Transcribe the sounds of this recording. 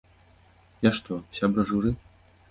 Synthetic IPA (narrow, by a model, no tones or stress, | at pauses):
jaʂt̪ɔɕʲabɾɐʐuɾɨ